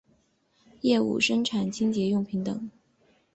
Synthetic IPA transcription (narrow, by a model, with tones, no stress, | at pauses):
jɛ˥˧ṵ˥˩ʂə˥ŋʈ͡ʂʰa˨˩nt͡ɕʰi˥ŋt͡ɕjɛ˧˥jʊ˥˩ŋpʰi˧˥ŋt̪ɤ˨˩˦ŋ